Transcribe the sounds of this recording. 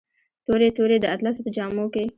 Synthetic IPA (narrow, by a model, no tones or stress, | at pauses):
t̪oɾet̪oɾed̪əat̪lɑsopəd͡ʒɑmoke